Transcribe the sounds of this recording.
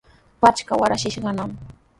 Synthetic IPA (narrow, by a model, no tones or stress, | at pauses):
pat͡ʃkawaɾaʃɪʃɢɑnam